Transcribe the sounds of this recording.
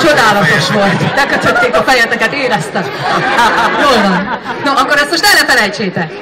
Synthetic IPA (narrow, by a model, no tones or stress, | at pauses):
t͡ʃo̞d̪aːlɒt̪o̞ʃʋo̞lt̪lɛkøt̪ʰøt̪ːeːkɒfɛjɛt̪ɛkɛt̪eːɾɛst̪ɛm | roːlvɒnnoʔɒkːo̞ɾɛst̪mo̞ʃt̪ɛlːɛfɛlɛjt͡ʃeːt̪ɛk